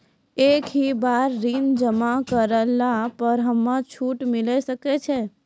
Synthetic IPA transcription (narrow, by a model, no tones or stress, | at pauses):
ekɦibaɾːind͡ʒəmakəɾəlːapəɾɦəmːat͡ʃʰuʈmilɛsəkɛt͡ʃʰɛ